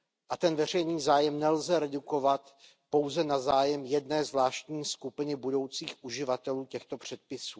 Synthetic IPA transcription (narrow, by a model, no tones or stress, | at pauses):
ʔat̪ɛnvɛr̝ɛjniːzaːjɛmnɛlzɛɾɛduko̞vat̪ | po̞wzɛnazaːjɛmjɛdnɛːzvlaːʃt̪ɲiːskupɪnɪbudo̞wt͡siːxʔuʒɪvat̪ɛluːcɛxt̪o̞pr̝̥ɛt̪̚pɪsuː